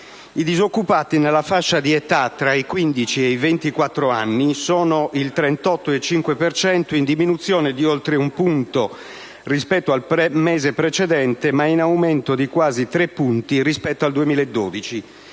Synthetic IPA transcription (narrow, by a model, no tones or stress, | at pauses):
id̪izokːupaːt̪inelːafaʃːad̪iɛt̪at̪ːɾaikwind̪it͡ʃieivent̪ikwat̪ːɾoanːisɔːnoʔilt̪ɾɛnt̪ɔt̪ːoet͡ʃːiŋkwepert͡ʃɛnt̪oind̪iminut̪sːjɔːned̪iolt̪ɾeumpunt̪o | rispɛt̪ːoalpɾɛmɛːzepɾet͡ʃɛd̪ɛnt̪emainawmɛnt̪od̪ikwaːzit̪ɾepːunt̪irispɛt̪ːoald̪uemiːlaed̪ːoːd̪it͡ʃi